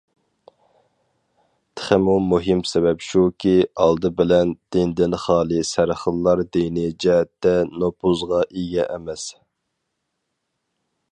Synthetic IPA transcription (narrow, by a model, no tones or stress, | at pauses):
t̪ʰə̥χɪmumuɦimsɛbɛpʃukʲʰiɑlˠd̪ɨbɪlɛnd̪̥ɪnd̪ɪnχɑːlˠɨsæɾχəlˠːɑɾd̪ijnɪd͡ʒɛɦɛt̪ːɛnopʰuzʁɑʔiɡʲɛʔɛmɛs